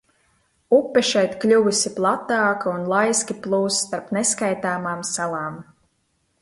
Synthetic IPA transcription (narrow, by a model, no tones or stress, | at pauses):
upːɛʃɛjt̪klʲuvusʲiplˠat̪ːaːkaunlˠajskʲiplˠuːst̪aɾpneskajt̪aːmaːmsalˠaːm